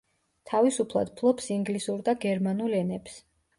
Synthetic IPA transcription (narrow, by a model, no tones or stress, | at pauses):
t̪ʰavisupʰlˠa̰d̪̥̚pʰlˠɔpsiŋɡlisuɾd̪aɡɛɾmanulɛnɛps